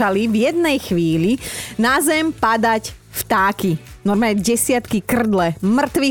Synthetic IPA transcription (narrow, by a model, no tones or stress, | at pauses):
alivjɛd̪nɛjxʋiːlinazɛmpad̪ac | ft̪aːki | nɔɾmaɲɛɟɛsɪat̪kikr̩d̪lɛmr̩t̪ʋi